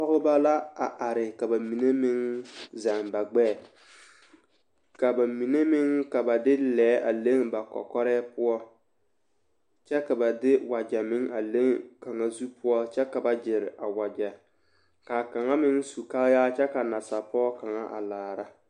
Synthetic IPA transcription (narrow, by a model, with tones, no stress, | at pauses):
pɔ˦ɣɪ˦ba˦la˦a˨ʔa˨ɾɪ˨ka˨ba˨mi˨ne˦mɪ˦ŋza˨ŋba˨ɡ͡bɛː˦˨ | ka˨ba˨mi˨ne˦mɪ˦ŋka˨ba˨dɪ˦lɛː˨˦ʔa˨le˦ŋba˨kɔ̰˨kɔ˦ɾɛː˦pʊ˦ɔ˦ | t͡ʃɛ˦ka˨ba˨dɪ˦wa˨d͡ʒɛ˨mɪ˦ŋa˨le˦ŋka˨ŋa˦zu˦pʊ˦ɔ˦t͡ʃɛ˦ka˨ba˦d͡ʒɪ˨ɾɪ˨ʔa˨wa˨d͡ʒɛ˨ | ka˨ka˨ŋa˦mɪ˦ŋsu˨ka˦ljaː˦t͡ʃɛ˦ka˨na˨sa˨pɔː˦ka˨ŋa˦ʔa̰˨laː˨ɾa˦